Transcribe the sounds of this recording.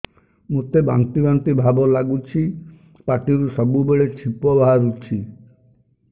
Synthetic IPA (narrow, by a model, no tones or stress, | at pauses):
mot̪eba̰nt̪ibant̪ibʱabɔlaɡut͡ʃʰi | paʈiɾusɔbubeɭet͡ʃʰipɔbʱaaɾut͡ʃʰi